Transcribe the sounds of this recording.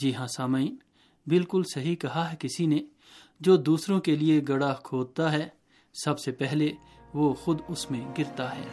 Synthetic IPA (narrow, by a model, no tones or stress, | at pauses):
d͡ʒiːɦãsaːmaiːn | bɪlkʊlsɐɦikɐɦaɦɛkɪsine | d͡ʒoːd̪uːsɾõkelieɡɐɽakʰoːd̪̚t̪aɦɛː | sɐbsepɛɦle | ʋoːxʊd̪ʊsmẽɡɪɾt̪aɦɛ̰ː